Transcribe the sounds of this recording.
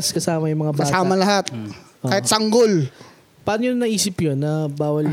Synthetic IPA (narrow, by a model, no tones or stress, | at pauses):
skɐsaːmɐjʊŋmɐŋabɐaːsaːmɐlɐɦat̪̚ʔokːaːhɪt̪sɐŋɡol | paːnojʊnnːɐʔiːsɪpjonːɐbaːwɐl